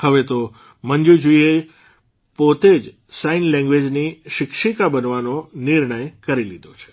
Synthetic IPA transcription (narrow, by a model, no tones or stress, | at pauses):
həʋet̪o | mənd͡ʒud͡ʒoie | pot̪ed͡ʒ | sainlɛ̃ŋɡʋed͡ʒniʃɪkʃikabənʋanoniɾɳəjkəɾilid̪ot͡ʃʰe̥